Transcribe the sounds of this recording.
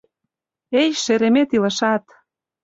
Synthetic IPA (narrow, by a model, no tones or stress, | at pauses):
ejʃeɾemet̪ilə̆ʃɑt̪